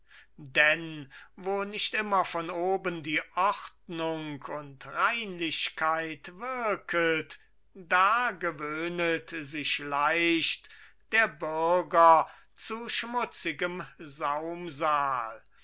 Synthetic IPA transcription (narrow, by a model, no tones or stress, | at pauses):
dɛnvoːnɪçtʔɪmɐfɔnoːbəndiːʔɔχtnʊŋkʰʊntʁaɪnlɪɕkʰaɪtv̥ɪɐkʰət | d̥aːɡəvøːnətzɪʃlaɪʃt | d̥eːɐbʏɐɡɐ | t͡suʃmʊt͡sɪɡəmzaʊmzaːl